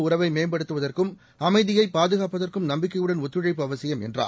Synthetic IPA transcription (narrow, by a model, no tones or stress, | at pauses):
ʊɾɐʋɐɪmeːmbɐɽɯt̪ːɯʋɐðɐrkɯm | ɐmɐɪðɪjɐɪpːaːðɯɣaːpɐðɐrkɯmnɐmbɪkːɐjɯɽɐnɔt̪ːɯɻɐɪpːɯɐʋɐsɪjɐmɛ̰ndra̰ː